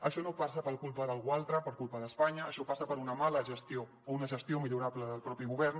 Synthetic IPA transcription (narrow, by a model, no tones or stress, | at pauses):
əʃɔnopasəpəlˠkulˠpəðəlˠɣualˠt̪ɾəpəɾkulpəðəspaɲəːʃɔpasəpəɾunəmaləʒəst̪io | ounəʒəst̪iomiʎuɾabləðəlˠpɾɔpiɣuβɛɾn